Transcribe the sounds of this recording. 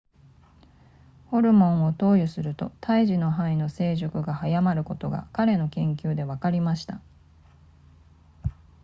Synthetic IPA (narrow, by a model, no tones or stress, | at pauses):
ho̞ɾɯ̟mõ̞ɰ̃o̞t̪o̞ːjɯsɨɾɯ̟t̪o̞̰t̪ʰaiʑino̞ɦãino̞se̞ːʑokɯ̟ɡahajamaɾɯ̟ko̞t̪o̞ɡa̰kaɾe̞no̞kẽ̞ŋkʲɨːd̪e̞βakaɾʲimaɕi̥t̪a